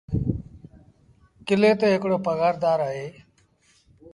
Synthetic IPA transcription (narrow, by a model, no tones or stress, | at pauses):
kɪleːt̪eːɦɪkɽoːpəɡaːɾd̪aːɾaːɦeː